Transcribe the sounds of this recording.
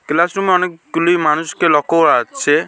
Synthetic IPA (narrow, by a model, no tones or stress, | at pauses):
klasɾumeɔnekɡulimanuskelɔkɔwat͡ʃʰe